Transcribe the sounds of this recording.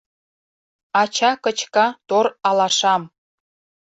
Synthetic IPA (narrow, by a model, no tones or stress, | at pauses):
ɑt͡ɕɑkə̆t͡ɕkɑt̪orɑlɑʃɑm